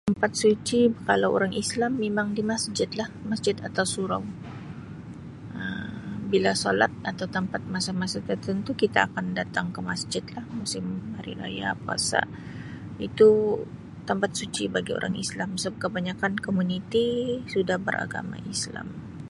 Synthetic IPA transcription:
t̪əmpat̪̚sut͡ʃikalawo̰ɾaŋʔislamːemaŋdimasd͡ʒɪt̪̚lahmasd͡ʒɪt̪at̪awsuɾa̰w | əbilasola̰t̪̚at̪awt̪əmpat̪̚masamasat̪ərt̪ənt̪ukit̪aːkandat̪aŋkəmasd͡ʒɪt̪̚lahmusɪmhaɾḭɾa̰ja̰pua̰sa̰ʔ | it̪u | t̪əmpat̪̚sut͡ʃibaɡio̰ɾʔa̰ŋḭslamsp̚kəbaɲakankomunit̪isudahbə̰ɾʔa̰ɡa̰ma̰ʔisla̰m

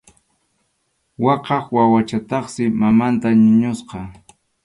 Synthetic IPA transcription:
wɑqɑχwawat͡ʃat̪ɑχsɪmamant̪aɲʊɲʊsqɑ

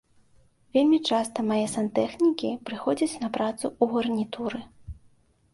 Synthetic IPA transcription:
vʲelʲmʲit͡ʂast̪ɐmajɛsant̪ɛxnʲikʲipɾɨxɔd͡zʲɐt͡sʲnɐpɾat̪suuɣɐrnʲit̪uɾɨ

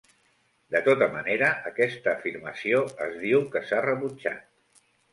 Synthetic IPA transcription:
d̪ət̪ot̪əməneɾəʔəːkɛst̪əːfiɾməsioə̰zðiwkəsarəβud͡ʒa̰t̪̚

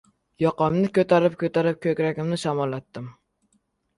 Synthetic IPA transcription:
jɒqɑmnɪkʲøt̪aɾɪp̚kʲʰɵt̪aɾɪp̚kʲʰøkʲɾækʲɪmnɪʃɑmɑlˠːat̪ːɪm

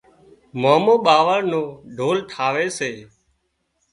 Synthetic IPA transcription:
moːmõːɓaːʋəɾnõːɖʱoːlʈʰaːʋeːseː

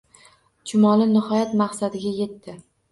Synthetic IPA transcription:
t͡ʃʰʊmɒlɪnɪhɒjat̪maqsad̪ɪɡʲaje̞t̪ːɪ

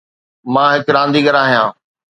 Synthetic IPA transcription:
mãːɦɪkɾãːnd̪iːɡəɾaːɦijãː

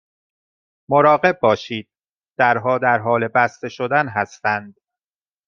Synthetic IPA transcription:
moɾɒːɣe̞b̚bːɒːʃiːd̪̥̚ː | æɾɦɒːd̪æɾɦɒːle̞bæst̪e̞ʃo̞d̪ænɦæst̪ænd̪̥

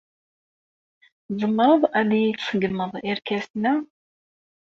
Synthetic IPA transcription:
zˤəmːəɾˤəðˤæðijit͡ssəɡəmːəðˤiɾkæsnæ

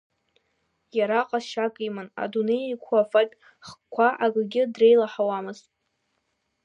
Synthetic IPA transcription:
jaɾaqʼazʃakʼijmɨna̰dunejikʷʰuafakʲʼ | χkʷʰaʔaɡʼɡʲɪdre̞jlaħawamɨztʼ

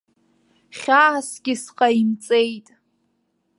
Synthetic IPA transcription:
χʲaasɡʲɪsqʼaimt͡sʼejtʼ

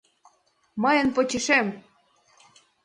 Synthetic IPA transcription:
məjə̆npot͡ɕeʃem

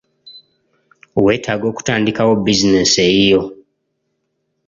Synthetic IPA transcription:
we̞ːtʰaːɡo̞ːku̥taːndikawo̞bizineseijo̞

